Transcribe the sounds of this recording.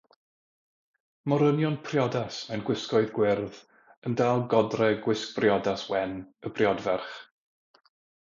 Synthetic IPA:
mɔɾənjɔnpʰrjɔdasmɛnɡwɪskɔɨðɡwɪrð | əndaːlˠɡɔdrɛɡwɪsk̚b̥rjɔdaswɛnəbrjɔdvɛrχ

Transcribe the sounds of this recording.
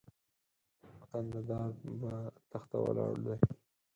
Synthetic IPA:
pəkand̪ad̪ɑɾbat̪axt̪a̰wa̰lɑɽd̪e

